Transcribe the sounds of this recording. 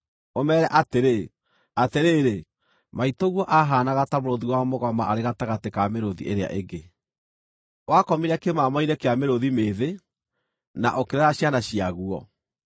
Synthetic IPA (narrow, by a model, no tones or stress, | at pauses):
omɛːɾɛʔateɾe | ateɾeːɾe | maitoɣwɔʔaɦaːnaɣatamoɾoðiwamoɣamaʔaɾeɣataɣatekameɾoðḭʔeɾea̰ʔeɡe | wakɔmiɾɛkemamaiɾɛkeameɾoðimeðe | na̰ʔokeɾɛɾaɕjanaɕiaɣuɔ̰